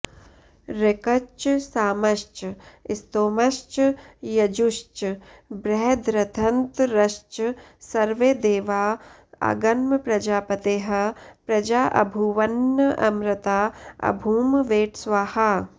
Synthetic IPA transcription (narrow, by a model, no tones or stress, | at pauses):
ɾekɐt͡ʃsaːmɐʃt͡ʃɪst̪oːmɐʃt͡ʃjɐd͡ʒuʃt͡ʃbɾɛɦd̪ɾɐt̪ʰɐnt̪ɾɐʃt͡ʃ | sɐɾʋeːd̪eːʋaː | a̰ɡɐnmɐpɾɐd͡ʒaːpɐt̪eːɦɐ̆pɾɐd͡ʒaːʔɐ̰bʱuʋɐnːɐʔɐmɾɪt̪aːɐ̰bʱuːmʋeːʈsʋaːha